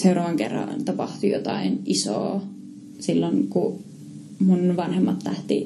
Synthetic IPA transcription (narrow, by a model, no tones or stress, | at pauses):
seurɑːʋɑŋkḛrːɑ̰nt̪ɑpɑht̪ujo̰t̪ɑinʔiso̰ː | silːoŋku | munʋɑnhemːɑt̪læht̪i